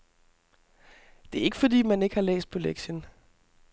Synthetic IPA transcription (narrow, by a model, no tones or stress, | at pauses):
d̥e̝æɐe̝ɡ̥əfɒ̽d̥ḭːmæne̝ɡ̥əhɑ̈lḛːsd̥̚pʰoleɡ̥ɕən